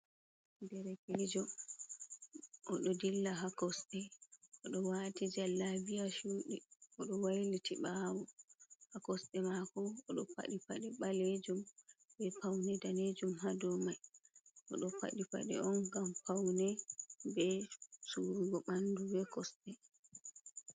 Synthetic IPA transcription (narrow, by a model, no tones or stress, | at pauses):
dɛɾɛkɛd͡ʒɔ | ʔɔɗɔdilːaɦakɔsɗɛʔɔɗɔwaːtid͡ʒalːavijaʃuɗɛɔɗɔwajlitʰiɓawɔhakɔsɗɛmakɔːɗɔpa̰ɗipa̰ɗɛɓaled͡ʒumbɛpawnɛdaned͡ʒumɦadɔmajʔɔɗɔpa̰ɗipa̰ɗɛ̰ɔnɡampawnɛbɛsuɾuɡɔɓandubɛkɔsɗɛ